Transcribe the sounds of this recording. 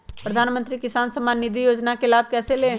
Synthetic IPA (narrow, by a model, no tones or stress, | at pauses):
pɾəd̪ʱaːnmə̃nt̪ɾikɪsaːnsəmaːnnːɪd̪ʱijoːd͡ʒnakelaːb̚kɛːseleː